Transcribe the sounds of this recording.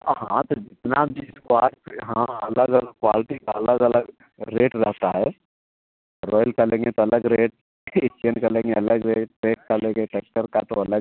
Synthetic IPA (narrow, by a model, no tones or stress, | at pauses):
hãt̪od͡ʒɪt̪nabd͡ʒiɪskoa̰ːɾpɦãɐləɡɐləɡkwaːlɪʈikaɐləɡɐləɡ | ɾeːʈɾɐɦt̪aɦɛː | ɾɔːjlkalẽːŋɡet̪oɐləɡɾeːʈ̚ | ɪsiənkɐlẽːŋɡeɐləɡɾeːʈ̚peːkːalẽːŋɡeʈeːk̚ʈəɾkat̪oɐləɡ